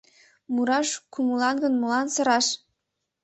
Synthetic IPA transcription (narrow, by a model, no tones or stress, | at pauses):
muɾɑʃkumulɑnɡɤ̆nmulɑnsɤ̆ɾɑʃ